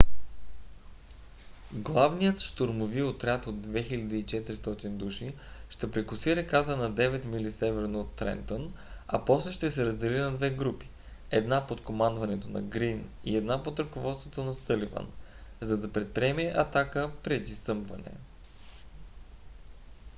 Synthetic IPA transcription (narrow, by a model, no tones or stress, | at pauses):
ɡlˠavnijət̪ʃt̪oɾmoviot̪ɾʲat̪od̪ːvɛxilʲɐd̪iːt͡ʃɛt̪iɾist̪ɔt̪ind̪uʃi | ʃt̪ɛpɾɛkʊsiɾɛkat̪ənɐd̪ɛvɛt̪milisɛvɛɾnoːt̪ːɾɛ̰nt̪on | ɐ̰pɔslɛʃt̪ɛsɛɾɐzd̪ɛlinɐd̪vɛɡɾupi̥ | ɛd̪napot̪komand̪vɐnɛt̪onɐ̰ɡɾin | ḭɛd̪napot̪ɾəkovɔt̪st̪vot̪onɐsɤlivə̰nzɐd̪ɐpɾɛt̪̚pɾiɛmɛʔɐt̪akəpɾɛd̪isɤmbvɐnɛ̰